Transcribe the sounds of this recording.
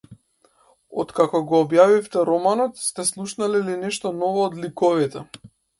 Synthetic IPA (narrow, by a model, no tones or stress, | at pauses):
ɔ̰t̪kakɔɡɔːbjavift̪ɛɾɔmanɔt̪st̪ɛslˠuʃnalɛlinɛʃt̪ɔnɔvɔːd̪likɔvit̪ɛ